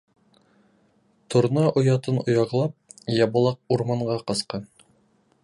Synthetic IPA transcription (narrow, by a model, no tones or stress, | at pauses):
t̪ŏɾnɑʔŏjɑt̪ɤnŏjɑʁlˠɑp̚jɑbɑ̆lˠɑq̚uɾmɑɴɢɑqɤ̆sqɑn